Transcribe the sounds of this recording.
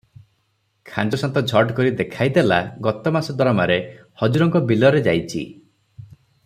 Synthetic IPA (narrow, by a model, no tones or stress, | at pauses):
kʰand͡ʒɔsɔnt̪ɔd͡ʒʱɔɖkɔɾid̪ekʰajd̪elaɡɔt̪ɔmasɔd̪ɔɾɔmaɾehɔd͡ʒuɾɔŋkɔbilɔɾed͡ʒajt͡ʃʰḭ